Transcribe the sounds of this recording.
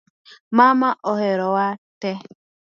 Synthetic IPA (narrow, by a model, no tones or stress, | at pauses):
mamaʔɔhɛɾɔwatɛ